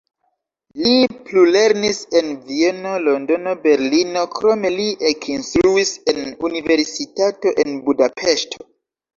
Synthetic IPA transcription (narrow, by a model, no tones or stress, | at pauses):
liplule̞ɾnise̞nvie̞no̞lo̞ndo̞no̞be̞ɾlinokɾo̞me̞liʔekʰinst̪ɾuise̞nunive̞ɾsitato̞ʔe̞nbudapʰe̞ʃtʰo